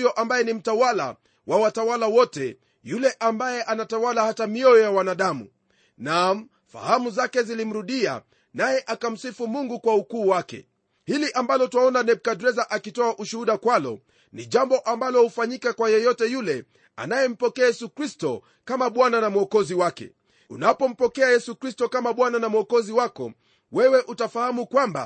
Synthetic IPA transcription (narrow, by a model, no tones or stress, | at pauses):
jɔʔambajɛnim̩tawala̰ | wʔawatawalawɔtɛ | julɛʔambajɛʔanatawalahatamiɔjɔjawanaɗamṵ | nam | fa̰hamuzakɛzilim̩ɾuɗia̰ | najɛʔakam̩sifumuŋɡukwaukuːwakɛ̰ | hiliʔambalɔtuwaɔnanɛɓ̚kadɾɛzaʔakitɔaʔuʃuhuɗakwalɔ̰ | niʄambɔʔambalɔhufaɲikakwajɛjɔtɛjulɛ | a̰najɛm̩pɔkɛajɛsukɾistɔ | kamaɓwananamwɔkɔziwakɛ̰ | unapɔm̩pɔkɛajɛsukɾistɔkamaɓwananamuɔkɔziwakɔ̰ | wɛwɛʔutafahamukwamba̰